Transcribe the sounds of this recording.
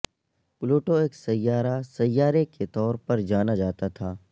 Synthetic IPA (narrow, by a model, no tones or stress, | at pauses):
ploːʈoeːksɐjːaːɾasɐjːaːɾeket̪ɔːɾpɐɾd͡ʒaːnad͡ʒaːt̪at̪ʰaː